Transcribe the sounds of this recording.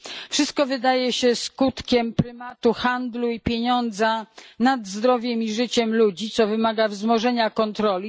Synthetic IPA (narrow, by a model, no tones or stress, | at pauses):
fʂɘst̪̚kɔvɘd̪ajɛɕɛskut̪kʲɛmpɾɘmat̪uxand̪luipʲjeɲɔnd̪zanad̪zd̪ɾɔvʲjɛmiʐɘt͡ɕɛmlud͡ʑit̪sɔvɘmaɡavzmɔʐɛɲakɔnt̪ɾɔlʲi